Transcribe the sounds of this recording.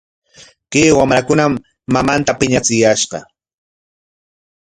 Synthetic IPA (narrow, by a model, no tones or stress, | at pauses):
keːwamɾakʊnamː | amant̪apɪɲat͡sɪjaʃɢɑ̰